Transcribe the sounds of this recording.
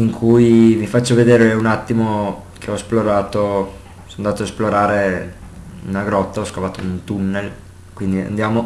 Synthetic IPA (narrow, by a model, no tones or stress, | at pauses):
iŋkʰujvifat͡ʃːoved̪eːɾeunat̪ːimo | kʰeɔsploɾaːt̪o | sond̪aːt̪oaesploɾaːɾe | ṵnaɡɾɔt̪ːaɔskavaːt̪ount̪unːel | kwind̪ia̰nd̪jaːmo